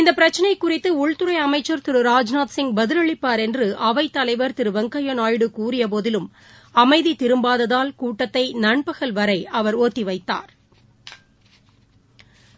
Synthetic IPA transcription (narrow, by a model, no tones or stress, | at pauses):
ɪnd̪ɐpɪɾɐt͡ʃːɐnɐɪkːʊrɪt̪ːɯʊɭt̪ɯɾɐɪɐmɐɪt͡ʃːɐɾt̪ɪɾɯɾaːd͡ʒnaːt̪sɪŋɡ̚bɐðɪlɯɭɪpːaːɾɛndrɯʔɐʋɐɪt̪ːɐlɐɪʋɐɾt̪ɪɾɯʋɐŋkɐjɐnaːjɽɯkuːrɪjɐp̬oːðɪlɯm | ɐmɐɪðit̪ɪɾɯmbaːðɐðaːlkuːʈːɐt̪ːɐɪnɐɳpɐɣɐlʋɐɾɐɪʔɐʋɐɾoːt̪ːiʋɐɪt̪ːa̰ːɾ